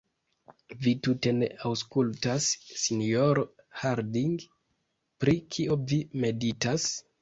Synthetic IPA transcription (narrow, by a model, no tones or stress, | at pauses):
vitute̞ne̞̰awskultasːinoɾo | haɾdiŋɡ | pɾikʰio̞vime̞ditas